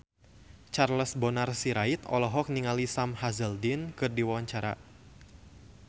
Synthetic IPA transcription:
t͡ʃarləsbɔnarsiɾait̪ɔ̰lɔɦɔk̚niŋalisamhazəldɪnkɨrdiwawaɲt͡ʃaɾa̰

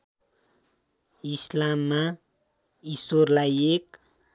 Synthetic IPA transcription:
islamːa | isorlajek̚

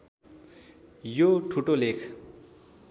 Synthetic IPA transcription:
joʈʰuʈolekʰ

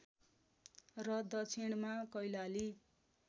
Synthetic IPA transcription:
rʌd̪ʌt͡sʰiɽ̃makʌjlali

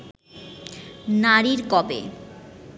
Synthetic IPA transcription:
naɾiɾkɔbḛ

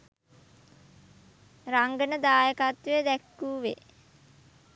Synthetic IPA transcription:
raŋɡənəd̪aːjəkat̪ʋejəd̪ɛkːuːʋe

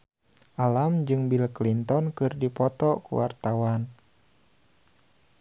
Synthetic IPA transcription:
ʔalamd͡ʒɨŋbilklint̪ɔnkɨrdipɔt̪ɔkṵwart̪awan

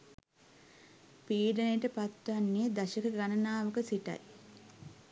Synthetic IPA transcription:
piːɖənəjəʈəpat̪ːʋanːed̪aʃikəɡanɐnaːʋəkəsiʈa̰j

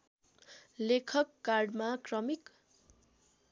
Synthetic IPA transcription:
lekʰʌkːarɖmakrʌmik

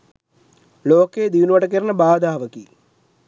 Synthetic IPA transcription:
loːkːeːd̪iʋnuʋɐʈɐk̬ːɐrɐnɐbaːd̪aːʋɐki

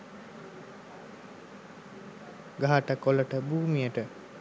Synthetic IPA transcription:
ɡaɦaʈəkoləʈəbuːmijəʈə

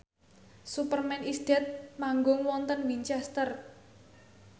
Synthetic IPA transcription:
supərmɛnisd̪̥ɛ̤t̪̚maŋɡʊŋwɔnt̪ənwint͡ʃɛst̪ər

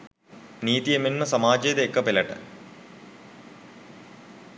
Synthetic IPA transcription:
niːt̪iemenmɐsɐmaːd͡ʑeːd̪ekːɐpelɐʈɐ̰

